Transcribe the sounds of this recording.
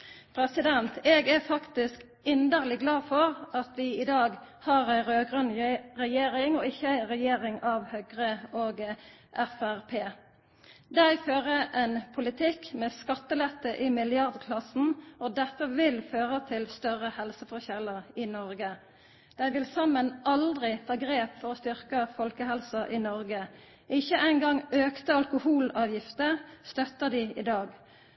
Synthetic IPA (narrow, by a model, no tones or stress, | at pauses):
pʰɾɛsɪd̪ɛnt̪ɛɡæfɑkt̪ɪsk | ɪnd̪əʁlɪɡlɑːfɔʁɑt̪ʋɪɪd̪ɑːɡhɑːɾæɪɾøːɡʁœnʁɛjeːɾɪŋɔɪçːəæɪɾɛjeːɾɪŋɑʋhœɡʁəoːɡ | ʔæfæʁpʰeː | d̪æɪføːʁəʔɛnpʰʊlɪt̪ʰɪkmɛskɑt̪ːəlɛt̪ːəʔɪmɪlɪɑʁd̪kʰlɑsn̩ɔd̪æʁfɔʁʋɪlføːʁət̪ʰɪlst̪œʁəhɛlsəfɔçɛləʁɪnɔʁɡə | d̪̥æɪʋɪlsɑmːənʔɑld̪ʁɪt̪ʰɑːɡʁeːpfɔʁɔst̪ʏʁkəfɔlkəhɛlsɑʔɪnɔʁɡə | ɪçːəʔæɪnɡɑŋøːkt̪əɑlkʊhuːlɑːʋjɪft̪əʁst̪œt̪ːəʁd̪ɪɪd̪ɑːɡ